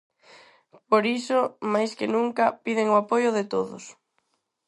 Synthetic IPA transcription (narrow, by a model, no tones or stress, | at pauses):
poɾisʊmajskɪnuŋkɐpiðɪŋoapojʊðɪt̪oðʊ̰s